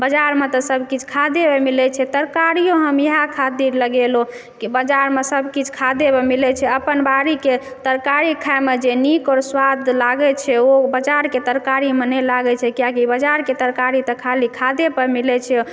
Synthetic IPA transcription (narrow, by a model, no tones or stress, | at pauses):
bəd͡ʒaɾmet̪ɔsəbʱkit͡ʃʰkʰad̪ebemilɛt͡ʃʰɛt̪əɾkaɾijoɦəmjeɦakʰat̪iɾləɡelo | kibəd͡ʒaɾmesəbʱkit͡ʃʰkʰad̪ebemilɛt͡ʃʰɛəpənbaɾike | t̪əɾkaɾikʰaemed͡ʒenikɔɾswad̪ʱlaɡɛt͡ʃʰɛobəd͡ʒaɾket̪əɾkaɾimenɛlaɡɛt͡ʃʰɛkijakibəd͡ʒaɾket̪əɾkaɾit̪ɔkʰalikʰad̪epəɾmilɛt͡ʃʰɛ